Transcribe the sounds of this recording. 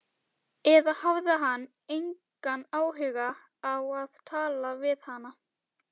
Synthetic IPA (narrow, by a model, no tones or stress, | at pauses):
ɛðahavðɪɦanː | ejŋkanaːwɦʏɣaː | waðt̪ʰaːlavɪðhanːa